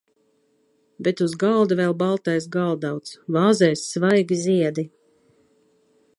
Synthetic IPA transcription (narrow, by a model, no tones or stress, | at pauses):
bet̪uzɡalˠd̪uvɛlˠbalˠt̪ɛjsɡalˠd̪awt̪svɑːzɛjsːvajɡʲiziɛd̪i